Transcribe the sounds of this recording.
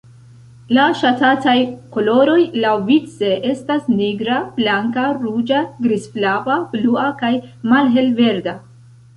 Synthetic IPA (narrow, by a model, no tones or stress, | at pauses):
laʃatatajko̞lo̞ɾo̞jlawvit͡se̞ʔe̞stasniɡɾab̥laŋkaɾud͡ʒaɡɾisflavabluakajmalɦe̞lve̞ɾda